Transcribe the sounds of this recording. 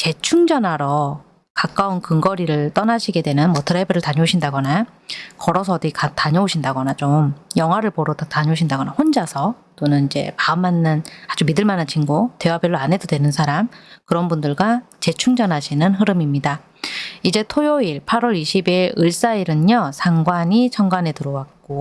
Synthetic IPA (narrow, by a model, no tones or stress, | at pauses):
t͡ɕe̞t͡ɕʰuŋd͡ʑʌnaɾʌ | kak͈aunkɯŋɡʌɾiɾɯɭt͈ʌnaɕʰiɡe̞dwe̞nɯnmwʌtʰɯɾabɯɾɯɭtaɲʌoɕʰindaɡʌnakʌɾʌsʰʌdikataɲʌoɕʰindaɡʌnat͡ɕomjʌŋɦwaɾɯɭpoɾotataɲʌoɕʰindaɡʌnahond͡ʑasʰʌ | t͈onɯnid͡ʑe̞̰paɯmːanːɯnad͡ʑumidɯɭmanant͡ɕʰinɡote̞wabjʌɭːoanɦe̞dodwenɯnsʰaɾamkɯɾʌnbundɯɭɡwat͡ɕe̞t͡ɕʰuŋd͡ʑʌnɦaɕʰinɯnɦɯɾɯmimɲida | id͡ʑe̞tʰojoiɭpʰaɾwʌɾiɕʰibiɾɯɭs͈aiɾɯɲʌsʰaŋɡwaɲit͡ɕʰʌŋɡwane̞tɯɾʌwak̚k͈o